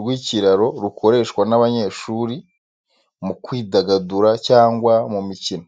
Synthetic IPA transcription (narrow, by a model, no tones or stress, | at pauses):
ɾɡwiːciɾaɾo̞ɾukʰo̞ɾe̞ːʃkwanaβaɲe̞ːʃuːɾi | mukwiːdaɡaduɾacaːŋɡwamumicino